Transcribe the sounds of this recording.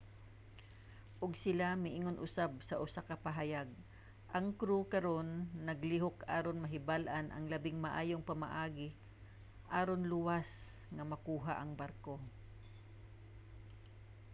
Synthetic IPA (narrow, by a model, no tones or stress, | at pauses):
ʔʊɡsɪlamɪʔiŋonʔʊsab̚sɐʔʊsakɐpɐɦajaɡ̚ | ʔɐŋkɾukɐɾo̞nːɐɡliɦokaːɾonmɐɦɪbalʔanʔɐ̰ŋlɐbɪŋmɐʔaːjoŋpɐma̰ʔaːɡɪ | ʔaːɾonlʊwas | ŋɐmɐkuːɦa̰ʔɐŋbaɾko